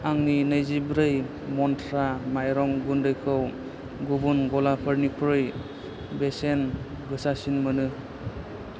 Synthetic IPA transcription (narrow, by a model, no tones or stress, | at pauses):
aŋninɯjzibɾɯj | mɔntʰɾamajɾɔŋɡundɯjkʰɯw | ɡubunɡɔlapʰəɾnikʰuɾɯj | besen | ɡɯsasinmɯnɯ